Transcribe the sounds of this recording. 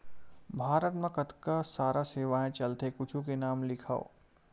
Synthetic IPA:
bʱaːɾət̪mẽkɐt̪kasaːɾaseːʋaɦɛ̃t͡ʃɐlt̪ekʊt͡ʃʰũkenaːmlɪkʰaːo̰

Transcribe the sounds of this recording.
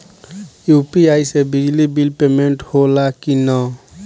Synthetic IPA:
jupiajsebid͡ʒlibilpemeɳʈholakinɔ

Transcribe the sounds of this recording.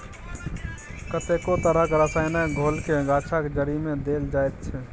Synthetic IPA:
kət̪ekot̪əɾəkeɾəsajnaɡʱolkeɡat͡ʃʰaked͡ʒəɾimẽd̪eld͡ʒaet̪̚t͡ʃʰɛ

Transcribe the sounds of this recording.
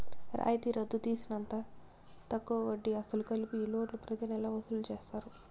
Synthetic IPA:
ɾʔa̰ːjt̪iɾɐd̪ːut̪iːsinɐnt̪aː | t̪ɐkːuɐʋɐɖːiɐsɐlukɐlipiːloːʈlupɾɐt̪inɛlɐʋɐsulut͡ʃeːst̪aːɾu

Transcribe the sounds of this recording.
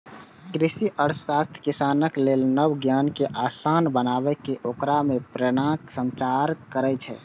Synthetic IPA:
kɾisiʔəɾsast̪ʰkisanəklelnəbɡjankeʔasanbənabɛkeʔokɾamepɾəɽ̃ãksə̃nt͡ʃaɾkəɾɛt͡ʃʰɛ̰

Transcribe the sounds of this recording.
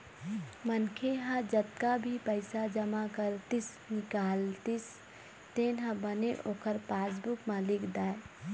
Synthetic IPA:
mənkʰeɦãd͡ʒət̪̚kabʱipəɪsad͡ʒəmakəɾt̪ɪs | nɪkaːlt̪is | t̪eːnɦãbəneʔoːkəɾpaːs̬bukmãlɪkd̪aːe

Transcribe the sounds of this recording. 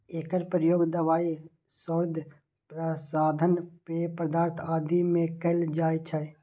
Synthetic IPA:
eːkəɾpɾəjoːɡd̪əʋaːi | səɾd̪ʱ | pɾəsaːd̪ʱənpepəd̪aːɾt̪ʰaːd̪ʱimẽkəld͡ʒaːjt͡ʃʰə

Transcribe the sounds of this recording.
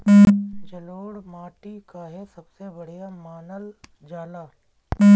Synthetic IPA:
d͡ʒɐloːɽmaːʈikaɦɛsɐbsebɐɽ̤ijamaːnəl | d͡ʒaːlaː

